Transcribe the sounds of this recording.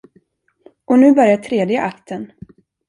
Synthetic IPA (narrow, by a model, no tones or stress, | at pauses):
ʔɔnʉ̟ːbœɾjaʈʰɾeːd̪jəʔakt̪ʰən